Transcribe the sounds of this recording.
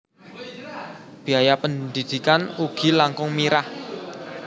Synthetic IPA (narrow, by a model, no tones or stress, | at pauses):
b̥i̤ajapənd̪id̪̥i̤kanuɡ̥i̤laŋkʊŋmiɾah